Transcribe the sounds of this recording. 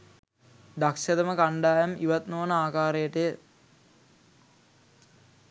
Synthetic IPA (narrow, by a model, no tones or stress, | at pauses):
d̪akʃɐd̪əməkaɳɖaːjamiʋat̪noʋənəaːkaːɾejəʈəjə